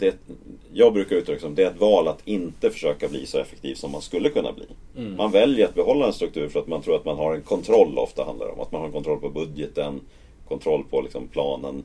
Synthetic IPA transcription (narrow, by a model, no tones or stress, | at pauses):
d̪̥ɛjɑːɡbɾʉ̟ːkaɾʉːt̪lɪksɔmd̪ɛæɾɛt̪vɑːlat̪ʰɪnt̪əfœ̥ʂøːkablḭːsɔɛfɛkt̪ʰiːvsɔmːanskɵlːəkʰɵnːa̰blḭː | mʔanvɛljəɾat̪̚bɛɦɔlːaɛnst̪ɾɵkt̪ʰʉ̟ːɾfœɾat̪mant̪ʰɾuːɾat̪manɦaɾɛnkʰɔnt̪ʰɾɔlːɔ̰ft̪ahand̪a̰ɾɛ̰ɔmat̪̚manhaɾɛnkʰɔnt̪ɾɔlpʰɔbɵd̪jət̪ən | kʰɔnt̪ʰɾɔlːpʰɔlɪksɔmpʰlɑːnən